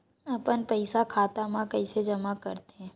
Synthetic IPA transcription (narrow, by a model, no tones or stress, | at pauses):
ɐpənpɐɪsakʰaːt̪amãkɐɪsed͡ʒɐmakɐɾt̪eɦɛ̃ː